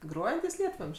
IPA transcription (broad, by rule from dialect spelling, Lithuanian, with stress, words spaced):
ˈɡroːjɛnʲtʲiːs ˈlʲiɛtʋɐmʲʃʲ